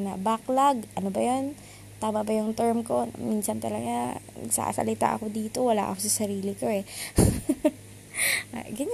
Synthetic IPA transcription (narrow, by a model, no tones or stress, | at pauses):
nɐ̰baklɐɡʔɐnobɐjon | t̪aːbɐbɐjʊŋt̪ɛɹmko̞minsɐnt̪ɐlɐɡanɐ̰ɡsa̰sɐ̰lɪt̪a̰ʔɐ̰ko̞d̪iːt̪o̞wɐla̰ːʔɐ̰kosɐsɐɾiːlɪkoɛ | ɡɐɲ